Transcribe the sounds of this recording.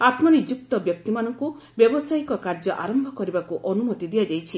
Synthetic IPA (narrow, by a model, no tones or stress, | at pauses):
at̪mɔnid͡ʒuk̚t̪ɔbjɔk̚t̪imanɔŋku | bjɔbɔsajkɔkaɾd͡ʒɔʔaɾɔmbʱɔkɔɾibakuʔɔnumɔt̪id̪iad͡ʒajt͡ʃʰi